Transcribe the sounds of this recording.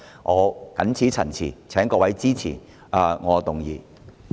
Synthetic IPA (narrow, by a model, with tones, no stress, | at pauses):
ŋʔɔː˨˧kɐ̰˨˥nt͡sʰiː˨˥t͡sʰɐ˨˩nt͡sʰḭː˨˩t͡sʰɛː˨˥ŋkɔː˧wɐ˨˥jt͡siː˥t͡sʰiː˨˩ | a˨˧ŋɔː˨˧t̪ʊ˨ŋjḭː˨˧